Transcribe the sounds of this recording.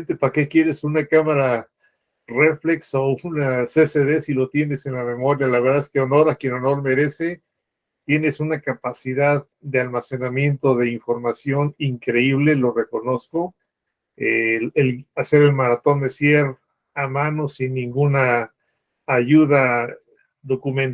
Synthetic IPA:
nt̪epake̞kje̞ɾe̞sunakamaɾa | re̞flekso̞unase̞se̞ðe̞silot̪je̞ne̞se̞nlame̞mo̞ɾjalaβɾðaeskeono̞ɾakje̞no̞no̞ɾme̞ɾe̞se̞ | t̪je̞ne̞sunakapasiðað | d̪e̞almase̞namje̞nt̪o̞ðe̞iɱfo̞ɾmasjo̞niŋkɾe̞iβ̞le̞lo̞re̞ko̞no̞sko̞ | eelase̞ɾelmaɾat̪o̞nd̪e̞sjeɾ | amano̞sinːĩŋɡunaː | ʝuða | ðo̞kumẽn

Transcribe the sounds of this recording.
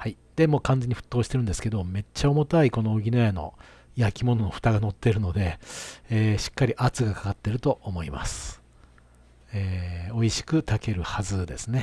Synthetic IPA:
hai | d̪̥e̞mo̞ːkãnd͡ze̞ɲ̟iɸɯ̟̥t̪ːoːɕi̥t̪eɾɯ̟nd̪e̞sɨ̥ke̞d̪o̞me̞t͡ɕːao̞mo̞t̪aiko̞no̞oɡʲinojano̞̰ | jakʲimo̞no̞no̞ɸɯ̥t̪aɡano̞t̪ːe̞ɾɯ̟no̞d̪e̞ː | ɕi̥kːaɾʲiʔat͡sɨɡakḁkat̪ːe̞ɾɯ̟t̪o̞ʔomo̞ima̰sɨ̥ | eːoiɕi̥kɯ̟t̪ake̞ɾɯ̟hazɨd̪e̞sɨne̞

